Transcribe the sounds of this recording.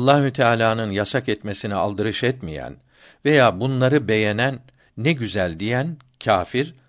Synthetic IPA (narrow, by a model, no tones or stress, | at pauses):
ɑlˠːahyt̪ʰaːlʲaːnɯnjasakɛt̪me̞sinialˠd̪ɯɾɯʃɛt̪mijæ̰n | ve̞jaːbunlˠaɾɯbe̞jenænː | ɛɟyzælʲd̪ijæn | cʰaːfiɾ